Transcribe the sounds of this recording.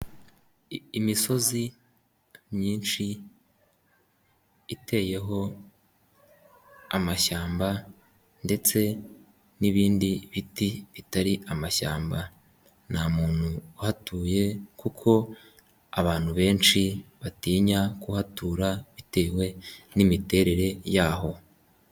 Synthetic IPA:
miso̞zi | mɲiːnʃi | tʰe̞je̞ɦo̞ | amaʃaːmba | nde̞t͡se̞ | niβiːndiβitiβitaɾiʔamaʃa̰ːmba | namuːn̥huhatuːje̞kukʰo̞ | aβaːn̥huβe̞ːnʃiβatiːɲakuhatuːɾaβite̞ːwe̞nimite̞ɾe̞ɾe̞jaːho̞

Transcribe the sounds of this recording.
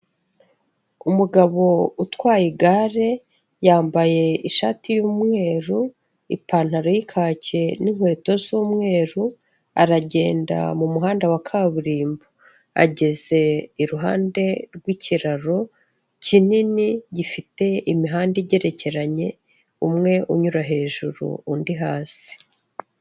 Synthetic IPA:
umuɡaβo̞utkwaːjiɡaːɾe̞ | jaːmbaje̞iʃatijuːmŋe̞ːɾu | ipaːn̥haɾojikʰaːce̞niŋ̥hwe̞ːto̞zuːmŋe̞ːɾu | a̰ɾaɟe̞ːnda̰mumuɦaːndawakʰaβuɾiːmbo | a̰ɟe̞ze̞iɾuɦaːnde̞ɾɡwiːciɾaɾo̞ | cininiɟifite̞imiɦaːndiɟe̞ɾe̞ce̞ɾaɲe̞ | umŋe̞ʔuɲuɾaɦe̞ːʒuɾṵundiɦaːsi̥

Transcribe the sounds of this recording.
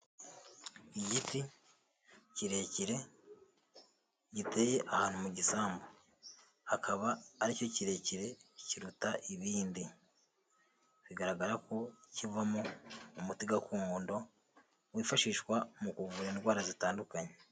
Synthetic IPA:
iɟiti | ciɾe̞ciɾe̞ | ɟite̞je̞ʔahaːn̥umuɟisaːmbo | akʰaβaːɾico̞ciɾe̞ːciɾe̞ciɾutaʔiβiːndi | βiɡaɾaɡaɾako̞civamoːmutiɡakuːŋoːndo̞ | wiːfaʃiːʃkwamukuvuɾanɾwaːɾazitaːndukaɲe

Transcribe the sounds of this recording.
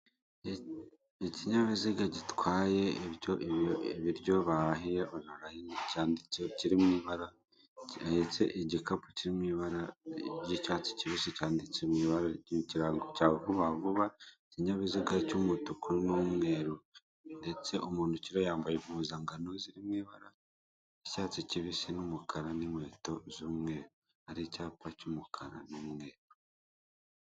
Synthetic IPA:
iciɲaβiziɡaɟitwaːje̞ɾjoβiɾɟo̞βaɾaɦijeonaɾahincaːndieciɾimŋiːβaɾa | het͡se̞ʔiɟikapu̥ciɾimŋiːβaɾaɟicaːt͡si̥ciβisicaːndit͡semwiːβaɾaciɾaŋɡocaːkuβavuβaciɲaβiziɡacumutukuɾinomŋe̞ːɾu | nde̞t͡se̞omuːnuciɾojaːmbajemhuzaŋɡano̞ziɾimŋwiːβaɾa | ecaːt͡siciβisinumukʰaɾanimwe̞ːto̞zumŋe̞ːɾo | aɾicaːpacumukʰaɾa̰nomŋeːɾo

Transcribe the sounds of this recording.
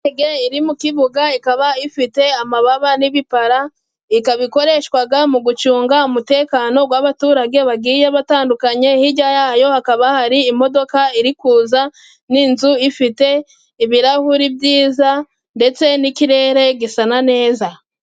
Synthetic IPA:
eɡeiɾimukiβuɡaikaβaifite̞amaβaβaniβipaɾa | ikaβiko̞ɾe̞ʃwaɡamuɡut͡ʃuːŋɡaumute̞ːkaːno̞ɡwaːβatuːɾaɡe̞βabɡiːjeβataːndukaɲe̞hiɟajajo̞hakaβahaɾiːmo̞do̞kaiɾikuːza | niːnzuifite̞ | iβiɾahuɾibjiːza | nde̞t͡se̞nikiɾe̞ːɾe̞ɡisanane̞ːza

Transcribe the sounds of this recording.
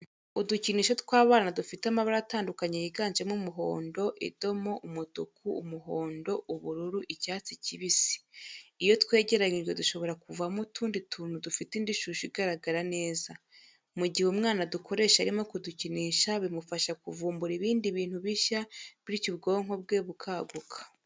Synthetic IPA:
uduciniːʃotwaːβaːnadufitamaβaɾaataːndukaɲejiɡaːnd͡ʒemumuɦo̞̰ːndo̞ʔḭdo̞mo̞ʔumudukuːmuɦo̞ːndo̞uβuɾuɾuʔicaːt͡siciβisi̥ijo̞twe̞ːɟe̞ɾaɲiʒɡwe̞duʃo̞βo̞ɾakuvamutʰuːndituːn̥udufitindiʃuːʃuiɡaɾaɡaɾane̞ːza | muɟihumŋaːnadukʰo̞ɾe̞ːʃaɾimo̞kuduciniʃaβimufaʃakuvuːmbuɾiβiːndiβiːn̥huβiʃaβiɾicubɡo̞ːŋho̞b̚ɡe̞ːβukʰaːɡukʰḁ

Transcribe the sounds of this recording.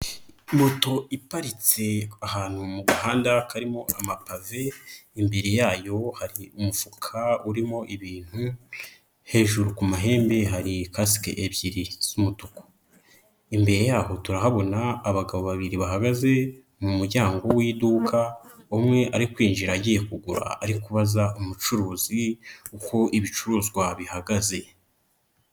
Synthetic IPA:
moto̞ʔipaɾit͡se̞ahaːn̥humuɡahaːndakaɾimo̞amapave̞imbe̞ɾe̞jaːjo̞haɾiumufukʰauɾimo̞ʔiβiːn̥hu | he̞ːʒuɾukumaɦe̞ːmbe̞ɦaɾikasi̥kḛʔeβɟiɾiz̥umutoko̥ | imbe̞ɾe̞jaːho̞tuɾaɦaβo̞naːβaɡaβo̞βaβiɾiβaɦaɡaze̞ | mumuɾɟaːŋɡo̞wiːdukʰaumŋe̞ʔaɾikwiːnʒiɾaɟijekuɡuɾa̰ːɾikuβazaomut͡ʃuɾuːziuko̞ʔiβit͡ʃuɾuːzɡwaβihaɡaze̞

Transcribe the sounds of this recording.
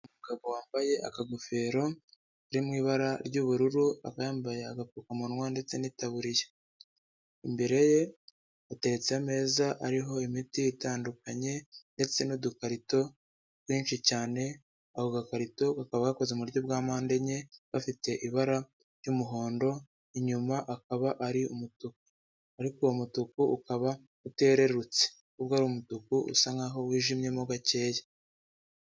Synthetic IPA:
umuuɡaβo̞waːmbaje̞ʔakaɡofe̞ːɾo̞ | ɾimŋiːβaɾaɾɟuβuɾuɾua̰kajaːmbajaaɡakukamunŋwande̞t͡se̞niːtaβuɾije | imbe̞ɾe̞je̞ | ate̞ɾe̞t͡seame̞ːzaʔaɾiɦo̞imitiːtaːndukaɲe̞nde̞t͡se̞nudukaɾito̞ | kwiːnt͡ʃicaːne̞ | ahoɡakaɾito̞ɡakaβaɡako̞zeumuɾɟo̞b̚ɡaːmaːnde̞ɲe̞βafite̞ʔiβaɾa | ɾjumuɦo̞ːndo̞ | iɲumaʔakaβaʔaɾiumutuku̥ | aɾiko̞umutukuukaβa | ute̞ːɾe̞ɾut͡se̥ | kubɡaːɾuːmutukuʔṵsaŋɡaɦo̞wiːʒimɲje̞muɡace̞ːjḁ

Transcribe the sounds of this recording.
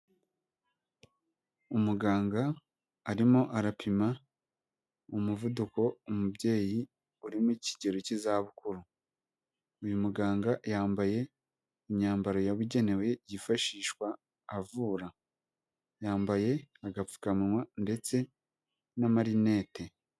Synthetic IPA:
umuɡaːŋɡaː | ɾimoʔaɾapʰima | omuvuduko̞umubɟe̞ːji | uɾimuici̥ɟe̞ɾocizaːβukuɾu | ujumuɡaːŋɡajaːmbaje̞ː | ɲaːmbaɾo̞jaβuɟe̞ne̞we̞jifaʃiːʃkwaː | vuːɾa | jaːmbaje̞aɡafu̥kamiwande̞t͡se̞ | namaɾine̞ːte̞

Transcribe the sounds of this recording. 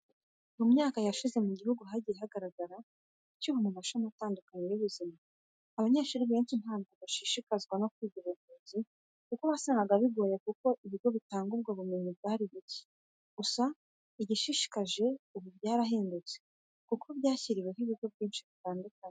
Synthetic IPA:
mumɲaːkajaʃize̞muɟihuɡuɦaɟiɾehaɡaɾaɡaɾa | cuβamumaʃomataːndukaɲejuβuzimaː | βaɲeːʃuɾiββeːnt͡ʃinhaːnɡiβaʃiʃikazɡwano̞kwiːɟiβumuːzi | kukoβasaːŋɡaɡaβiɡo̞ːjekuko̞ʔiβiɾjo̞βitaːŋɡubɡwaβume̞ɲibɡaɾiβici̥ | ɡ̥usa | iɟiʃiʃi̥kaʒe̞uβuβjaːɾaɦeːndut͡se̥ | kukʰobjaːciɾiwe̞hiβiɾjo̞bɟiːnʃiβitaːndukaɲe

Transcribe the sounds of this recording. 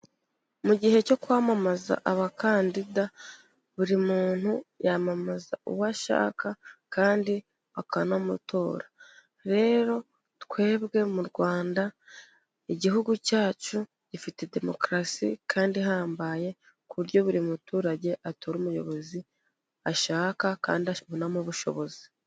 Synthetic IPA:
muɟihe̞co̞kwaːmamaza̰ʔaβakaːndida | βuɾimuːn̥hujamamaza̰ṵwaʃa̰ːkakaːndi | βakanomutoːɾa | ɾe̞ːɾo̞ | tkwe̞ːbɡe̞muɾɡwaːnda | iɟiɦuɡucaːt͡ʃu | ɟ̥ifite̞de̞mo̞kɾasḭkʰaːndiɦaːmbaje̞ | kuβuɾɟo̞βuɾimutuːɾaɟe̞ʔatoɾuːmujo̞̰βo̞zi | aʃaːkaka̰ːndiaβunamuβuʃo̞̰βo̞zi̥

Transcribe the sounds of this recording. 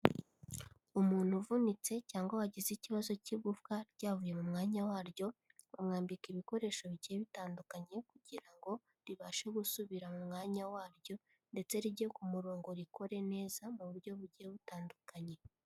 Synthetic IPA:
umuːn̥huvunit͡se̞caːŋɡowaɟiziciβazo̞ciɡufkaɾɟ̥aːvuje̞mumŋaːɲawaːɾjo̞βamŋaːmbikiβiko̞ɾe̞ːʃoβiɟiːβitaːndukaɲe̞kuɟiɾaŋɡo̞ | ɾiβaːʃeɡusuβiɾamumŋaːɲawaːɾɟo̞ | nde̞t͡se̞ɾiɟekumuɾoːŋɡo̞ɾiko̞ɾe̞ne̞ːzamuβuɾɟo̞βuɾɟeβutaːndukaɲe̞

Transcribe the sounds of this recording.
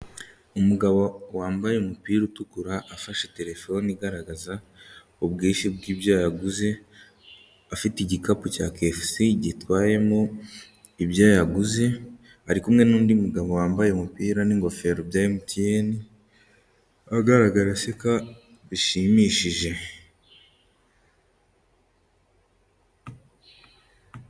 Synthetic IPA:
umuɡaβowaːmbajeumupiːɾutukuɾaʔːfaʃete̞ɾe̞fo̞niɡaɾaɡaza | obɡiːʃib̚ɡiːbjaːjaɡuze̞ | afitiɟikapuca̰ːkefsiɟitwaːje̞mo | ibjaːjaɡuze̞ | haɾikumŋe̞nuːndimuɡaβowaːmbajeumupiːɾaniŋɡo̞fe̞ɾobjaːɾimutijeni | aɡaɾaɡaɾaseka | βiʃimiːʃiʒe̞

